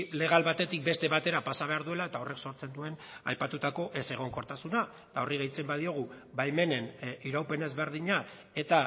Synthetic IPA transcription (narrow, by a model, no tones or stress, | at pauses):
le̞ɣ̞alβat̪e̞t̪ik̚be̞st̪e̞βat̪e̞ɾapasaβ̞e̞aɾðue̞lae̞t̪ao̞re̞kso̞ɾt͡se̞nd̪ue̞n | a̰jpat̪ut̪ako̞ʔe̞se̞ɣ̞o̞ŋko̞ɾt̪asuna | t̪ao̞riɣejt͡se̞mbað̞io̞ɣ̞u | bajme̞ne̞niɾawpe̞ne̞zβe̞ɾðiɲa | e̞t̪a